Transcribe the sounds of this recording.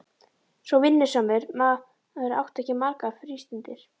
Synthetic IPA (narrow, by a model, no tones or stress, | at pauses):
svɔwvɪnːɪsamɛɾma | ɛɾa̰wht̪ɛhcɪmaɾkafɾiːst̪ɪnt̪ɪɾ̥